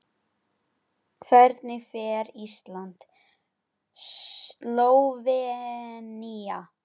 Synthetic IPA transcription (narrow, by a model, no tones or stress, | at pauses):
kʰvɛɾt̪nɪfɛɾist̪lant̪ | sloːwvɛ | nia